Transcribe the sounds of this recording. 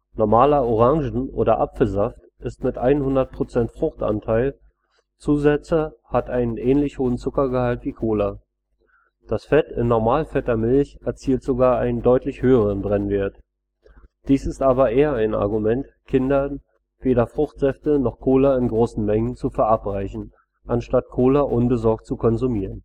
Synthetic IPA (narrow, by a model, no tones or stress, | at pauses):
nɔɐmaːlɐɔʁ̞aŋʒn̩ʔo̰ːɾɐʔa̰pfl̩zaft | ʔɪstmɪtʔaɪnhʊndɐt̚pʁ̥ot͡sɛntfʁ̥ʊχtʔa̰ntʰaɪl | t͡suːzɛt͡səhatʔaɪnənʔɛːnlɪçhoːənt͡sʊkɐɡəhaltv̥iːkʰoːlɐ | d̥asfɛtɪ̰nːɔɐmaːlfɛtɐmɪlçɛɐt͡siːltz̥oɡaːɐaɪnəndɔʏtlɪçhøːəʁənbʁɛnveːɐt | d̥iːsɪstʔaːbɐʔeːɐaɪna̰ɐɡumɛnt | kʰɪndɐ | v̥eːɾɐfʁ̥ʊχtz̥ɛftənɔχkʰoːlɐɪnɡʁoːsn̩mɛŋənt͡sufɛɐʔapʁ̥aɪçn̩ | ʔanʃtat̚kʰoːlɐʔʊnbəzɔɐk̚tt͡sukʰɔnzumiːʁən